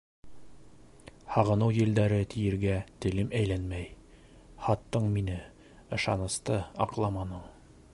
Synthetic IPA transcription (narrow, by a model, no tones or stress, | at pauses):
hɑʁɤ̆nɤwjɘ̆ld̪æɾɘt̪ʰijɘ̆ɾɡæt̪ɘ̆lɘmæjlænmæj | hɑt̪ːɤɴminɘ | ɤ̆ʃɑ̰nɤ̆st̪ɤɑqlˠɑmɑnɤɴ